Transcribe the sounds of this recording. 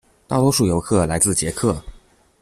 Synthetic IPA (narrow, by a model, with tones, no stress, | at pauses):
t̪ɑ˥˩lwɔ˧˥ʂu˨˩jo˧˥ʊkʰɤ˥˩la˧˥ɪt͡sɹ̩˥˩t͡ɕjɛ˧˥kʰɤ˥˩